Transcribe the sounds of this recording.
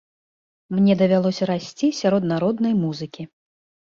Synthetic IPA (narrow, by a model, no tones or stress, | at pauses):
mnʲɛd̪ɐvʲalˠɔsʲɐɾasʲt͡sʲisʲaɾɔd̪naɾɔd̪nɐjmuzɨkʲi